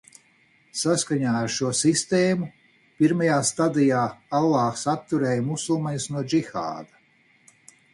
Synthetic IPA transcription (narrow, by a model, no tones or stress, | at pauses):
saskaɲaːaɾʃuɔsist̪eːmu | piɾmajaːst̪ad̪ijaːalˠːɑːksat̪ːuɾɛːjmusulˠmajusnuɔd͡ʒixa̰ːd̪a